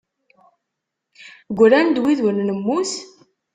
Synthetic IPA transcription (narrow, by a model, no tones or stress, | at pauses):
ɡʷɾænd̪wiðwənnəmːuθ